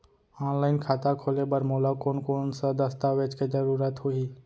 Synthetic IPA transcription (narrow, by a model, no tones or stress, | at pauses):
ɔːnlaːɪnkʰaːt̪akʰoːlebəɾmoːlakoːnkoːnsad̪əst̪aʋeːt͡ʃked͡ʒəɾuːɾət̪ɦoiː